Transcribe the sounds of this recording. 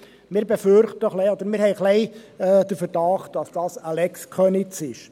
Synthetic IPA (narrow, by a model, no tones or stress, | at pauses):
mɪːɾbefʏɾχtəχlɛɪɔd̥̪əɾmɪɾhɛɪχlɛɪɛːd̥əɾfəɾd̥ɑχt̚d̥ɑsd̥ɑːsalɛkskχœnɪt͡sɪʃ